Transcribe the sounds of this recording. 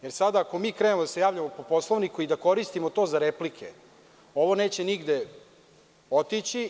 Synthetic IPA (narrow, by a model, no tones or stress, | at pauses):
jeɾsad̪aːko̞miːkɾeːnemod̪ase̞jaːʋʎamo̞po̞po̞slˠoʋnikuid̪ako̞ɾist̪imot̪o̞ːzaɾeplikʰḛ | o̞ʋo̞ne̞ːt͡ɕeniɡd̪e̞ | o̞t̪it͡ɕi